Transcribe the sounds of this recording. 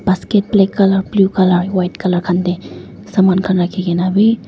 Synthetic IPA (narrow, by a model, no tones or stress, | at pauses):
basket̚plekːaləɾblukaləɾwajʈkaləɾkʰant̪e | samankʰənɾakʰiɡenabi